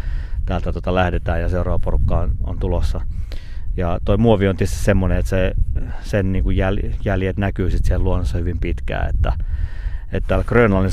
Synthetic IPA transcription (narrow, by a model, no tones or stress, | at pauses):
t̪æːlt̪æt̪ot̪ɑlæhdet̪æːjɑseurɑːʋɑporukːɑːno̰nt̪ulosːɑ | jɑt̪oimuoʋiont̪iest̪i̥ssemːoneet̪sesenniːŋkujjæljæljet̪nækyːsit̪sielluonːosːɑhyʋimpit̪kæ̰ːḛt̪ːæ | et̪t̪æːlkrøynɑlin